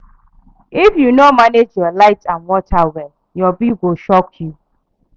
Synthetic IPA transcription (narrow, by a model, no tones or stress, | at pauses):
ifjunomaned͡ʒjɔlaɪtʰãnwɔtʰawɛl | jɔbiɡoʃɔkʰju